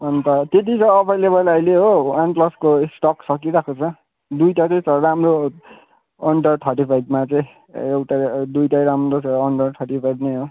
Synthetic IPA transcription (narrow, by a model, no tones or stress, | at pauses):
ʌnt̪ʌt̪et̪it͡sʌ̃ʌbajlebʌlʌjleɦowanplʌskoesʈʌksʌkiɾakʰot͡sʰʌ | d̪ujʈat͡sʌj̃sʌramro | ʌɳɖʌrʈʰʌʈipʰajd̪mat͡sãj̃ | ewʈad̪ujʈajɾamrot͡sːɳɖʌrʈʰʌʈipʰajd̪neɦo